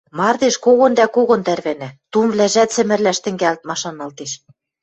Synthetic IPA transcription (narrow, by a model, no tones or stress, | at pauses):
mɑrd̪eʃkoɣŏnd̪ækoɣŏnt̪ærβænæt̪umβlæʒæt̪t͡sɘ̆mɘ̆rlæʃt̪ɘ̆ŋɡælt̪̚mɑʃɑnɑlt̪eʃ